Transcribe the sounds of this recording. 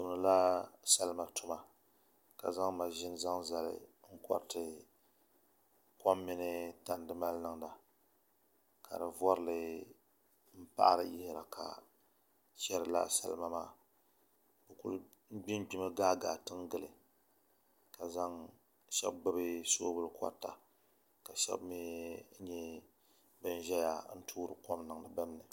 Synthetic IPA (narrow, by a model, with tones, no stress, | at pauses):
tʊ˨m˨nɨ˨la˦sa˦lma˦tʊ˦ma˨ | ka̰˨za˦ŋma˨ʒɪ˦n˦za˦ŋza˨lɪ̰˨ŋ̩˦kɔ̰˦ɾtɨ˨ | kɔ˦mːɪ˦nɨ˦ta˨n˦dɨ˦ma˦lnɨ˦˨ŋna˨ | kʰa̰˨dɨ˨vɔ˦ɾɨ˨lɨ˦ | m̩˦pa̰˦ʔa̰˦ɾɨ˦jɪ˦hɪ˨ɾa̰˨kʰa̰˨ | ʃɛ˦ɾɨ˨la̰˦sa̰˨lma˦maː˦˨ | bɨ˨ku˦l | n̩˦ɡ͡bi˦nɡ͡bi˦mɨ˦ɡaː˦ɡa˨tɨ˦ŋɡɨ˨lɨ˨ | ka˨za˦ŋ | ʃɛ̰˦b̚ɡ͡bɨ˦bɨ˦soː˦bɨ˦lka̰˦ta˨ | ka˨ʃɛ̰˦bmi˦ɲɛ˦ | bɨ˦n˦ʒɛ˦ja̰˨n̩˦tʰuː˦ɾɨ˨kɔ˦mnɨ˨ŋ˦da˨bɨ˦mnɨ˨